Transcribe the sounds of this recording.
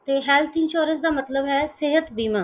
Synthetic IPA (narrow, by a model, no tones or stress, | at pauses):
t̪eːɦɛːlt̪ʰɪ̃nʃoːɾə̃nsd̪aːmət̪ləbɦɛːsɪɦət̪biːmə̃